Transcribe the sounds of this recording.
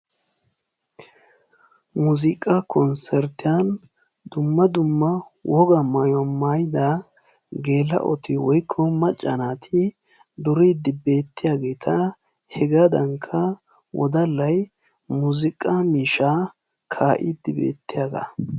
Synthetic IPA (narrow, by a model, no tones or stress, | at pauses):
muzɪkʼɐkʰɔnsɛɾt̪ɪjan | d̪ʊmːɐd̪ʊmːɐwʔɔɡɐmajwɔmaːjd̪a | ɡe̞ːlːɐ̰ʔɔ̰t̪ɪwɔjkʰːɔmɐt͡ʃʼːɐnaːt̪ʰɪ | d̪ʊɾid̪ɪbe̞ːt̪ːɪjaːɡe̞ːt̪ʰɐ | hɛɡaːd̪ɐŋkʰːɐ | wʔɔ̰d̪ɐlːɐj | muzɪkʼːɐmiːʃaː | kʰaːʔɪd̪ːɪbḛːt̪ːɪjaːɡɐ̰